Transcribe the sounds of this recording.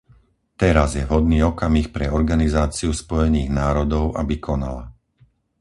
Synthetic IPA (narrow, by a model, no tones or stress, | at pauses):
t̪ɛɾazjɛvɦɔd̪niːɔkamixpɾɛɔɾɡanizaːt͡siuspɔjɛniːɣnaːɾɔd̪ɔʊʔabikʰɔna̰la̰